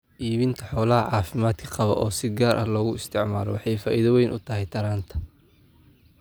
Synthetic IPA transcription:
ʔiːβɪnt̪ʰɐħɔːlɐɦɐʕɑːfɪmaːd̪kʰɐ̥qɑβɔ̰ʔɔːsɪd̪ɡaːɾʔɐhlɔːɣʊɪst̪ʰɪʕmaːlɔ̰wɑħɑjfa̰ːʔiːðɐwɛjnʔʊt̪ʰɐɦɛjt̪ʰɐɾaːnt̪ʰɐ̥

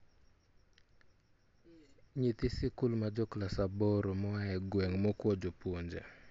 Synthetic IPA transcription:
ɲit̪ɪsɪkʊlmad͡ʒɔklasabɔɾɔmɔaɛɡwɛŋmɔkwɔd͡ʒɔpwoɲd͡ʒa̰

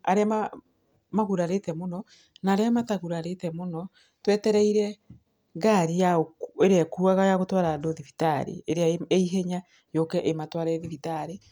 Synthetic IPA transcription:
aɾeama | maɣuɾaɾetɛmonɔ | naːɾeamataɣuɾaɾetɛmonɔ | twɛtɛɾɛiɾɛ | ɣaɾijaoeɾeakuaɣajaɣotwaɾadoðifitaɾḛeɾeaeeiɦɛɲa | jɔkɛʔematwaɾɛðifitaɾe

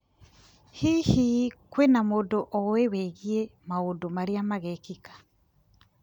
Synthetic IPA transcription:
hihikwenamodoʔɔwewɛɣiemaondomaɾiamaɣɛkikḁ

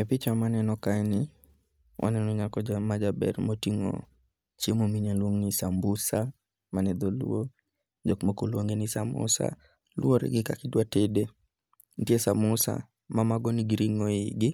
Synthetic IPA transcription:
ɛpɪt͡ʃamanɛnɔkanɪ | wʔa̰nɛnɔɲakɔd͡ʒamad͡ʒabɛ̰ɾmotiŋo̰ | t͡ʃemomiɲalwoŋnisambusa | manɛd̪olṵo | d͡ʒokmokolwoŋɡenɪsamʊ̰sa̰ | lwoɾɪ̰ɡɪka̰kɪdwatede | ntjesamʊsa̰ | mamaɡoniɡiɾiŋoɪɡɪ

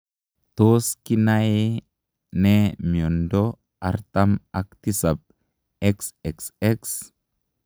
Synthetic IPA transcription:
t̪oskinae | nemiondo | aɾt̪amak̚t̪isap̚ | ɛksɛksɛks

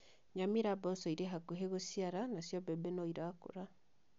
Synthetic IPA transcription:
ɲamiɾabɔsɔiɾeɦakoɦeɣosiaɾanasjɔbɛbɛnoiɾaːko̰ɾa

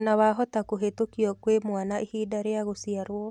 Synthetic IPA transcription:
nawaɦɔtakoɦetokjɔkwemwanaʔihidaɾeaɣosiaɾwɔ

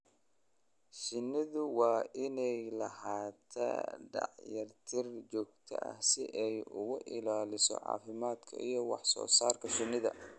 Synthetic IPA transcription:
ʃɪnːɪðʊwɑːʔɪnɛjlɐhaːt̪ʰɐ̰ɖɑ̰ʕjɐrt̪ʰɪrt͡ʃɔːɡ̚t̪ʰɐ̰ʔɐ̰hsɪʔɛjʊɣʊʔɪlaːlɪsɔ̰ʕɑ̰ːfɪmaːd̪kʰɐ̰ʔijɞwɑħsɔ̰ːsaːrkʰɐʃɪnɪðɐ̰

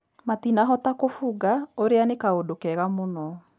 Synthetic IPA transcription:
matinaɦɔtakofuɡaoɾeanekaodokɛɣamonɔ

